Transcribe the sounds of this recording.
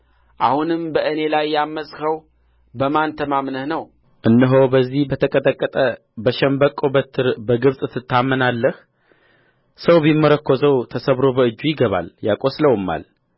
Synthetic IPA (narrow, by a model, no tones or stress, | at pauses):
ʔahunɨmbəʔɨne̞lajːamːəsʼkəw | bəmant̪ʰəmamnəhnəw | ʔɨnːəɦo̞wbəzːihbət̪ʰəkʼət̪ʼəkʼːət̪ʼə | bəʃɛmbəkʼːobət̪ʰːɨɾbəɡɨβsʼɨt̪ʰːɨt̪ʰːamːənalːəh | səwbimːəɾəkːo̞zəwt̪ʰəsəβɾo̞bəɨd͡ʒːujɪɡəβa̰ljakʼosləwɨmːa̰l